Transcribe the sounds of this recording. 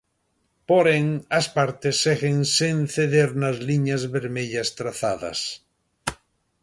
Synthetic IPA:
poɾeŋaspaɾt̪esːeɣeŋsenθeðeɾnazliɲazβeɾmeʎast̪ɾaθaða̰s

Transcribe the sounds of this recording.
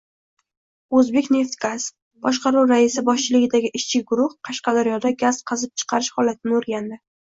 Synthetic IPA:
ɵzbe̞kʲne̞ft̪ɡaz | b̥ɒʃqɑɾuɾaɪsɪbɒʃt͡ʃʰɪlɪɡʲɪd̪aɡʲɪʔɪʃt͡ʃʰɪɡʊɾʊhqʰɑʃqɑd̪aɾjɒd̪aɡʲazqʰɑzɪp̚t͡ʃʰɨ̥qʰɑɾɪʃhɒlat̪ʰɪnɪoɾɡʲand̪ɪ

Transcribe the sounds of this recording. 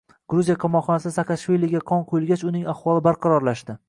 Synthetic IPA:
ɡ̥ɾuzijaqʰɑmɒqχɒnasɪsakaʃvilʲˠiɡʲaqʰɒnqʰojɪlˠɡʲat͡ʃʊnɪŋaχvɒlˠɪbaɾqʰɑɾɒɾlaʃd̪ɪ

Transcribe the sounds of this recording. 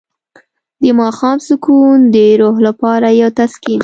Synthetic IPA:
d̪əmɑxɑmsʊkund̪əɾoɦlapɑɾajawt̪askin

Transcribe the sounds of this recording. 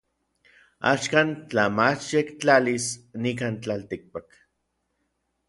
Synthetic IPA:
a̰ʃkant͡ɬamat͡ʃjekt͡ɬalisnik̬ant͡ɬalt̪ik̚pak

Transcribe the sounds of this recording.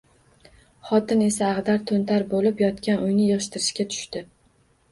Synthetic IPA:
χɒt̪ʰɪne̞saːʁd̪aɾt̪ʰont̪ʰaɾbolɪpjɒt̪kʲanʔʊjnɪjɨʁɨʃt̪ɪɾɪʃkʲat̪ʰʊ̥ʃt̪ɪ

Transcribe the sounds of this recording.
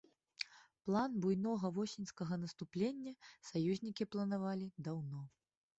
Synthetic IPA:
plˠanbujnɔɣɐvɔsʲinʲskɐɣɐnɐst̪uplʲenʲːɐsajuzʲnʲikʲiplˠɐnavalʲid̪awnɔ

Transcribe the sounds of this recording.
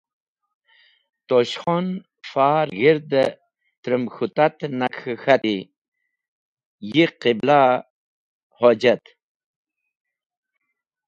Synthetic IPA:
t̪oɕxon | faːɾɣiɾd̪ə | t̪ɾəmxut̪at̪nakʰxat̪i | jiqibla | hod͡ʑat̪

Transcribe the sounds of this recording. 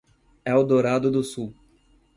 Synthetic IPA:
ɛʊd̪oɾad̪ʊd̪ʊsu

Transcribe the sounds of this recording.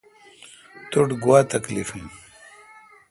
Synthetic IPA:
t̪uʈɡuwat̪ɐklifin

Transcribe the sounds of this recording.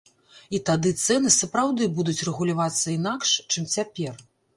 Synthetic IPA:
it̪ad̪ɨt̪sɛnɨsɐpɾawd̪ɨbud̪ut͡sʲrɛɣulʲavat̪sːɐin̪akʂt͡ʂɨmt͡sʲapʲɛr

